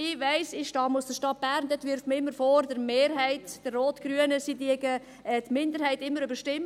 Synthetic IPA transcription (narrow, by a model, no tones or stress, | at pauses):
ɪʋæɪsɪʃtɑːmusd̥əʃtɑt̚b̥æɾndetʋɪɾfməɪmːəɾfoːɾdəɾmeːɾɦæɪtd̥ərːoːtɡ̥ɾyənəsidiəɡə | ɛːtmɪndəɾhæɪtɪmːəɾybəɾʃtɪmː